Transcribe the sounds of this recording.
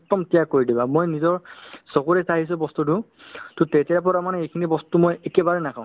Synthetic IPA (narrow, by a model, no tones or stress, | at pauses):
tɔmtijakːoɹidibamojnizɔɹsɔkoɹɛsaɦis̬ɛbɔstutu | tʊtejtijapɔɹamanɛejkʰinibɔstumojekɛbaɹɛnakãʊ̃